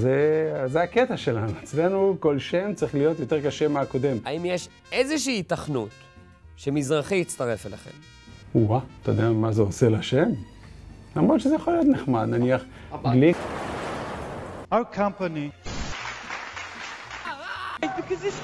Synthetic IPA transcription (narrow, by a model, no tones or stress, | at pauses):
zezeaket̪aʃe̞lanuet͡sle̞nuko̞lʃe̞mt͡saʁiχlijo̞t̪jo̞t̪eʁkaʃe̞maako̞d̪e̞maimjeʃ | ezeʃiːtaχnut̪ | ʃemizʁaχiit͡st̪aʁefelaχḛm | uwat̪ad̪eamazeose̞laʃem | lamʁod̪ʃezejaχolijot̪neχmad̪naniaχɡli | akʰãmpani | bikɔzɪ